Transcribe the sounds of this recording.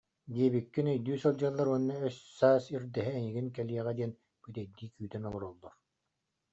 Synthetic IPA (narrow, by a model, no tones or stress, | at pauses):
d̪iɛβikːinɛjd̪yːsɯlˠd͡ʑalˠːaɾuɔnːaœsːaːsiɾd̪ɛɦɛːŋiɡinkɛliɛʁɛd̪iɛn | b̥yt̪ɛjd̪iːkyːt̪ɛnɔlˠɔɾɔlˠːɔɾ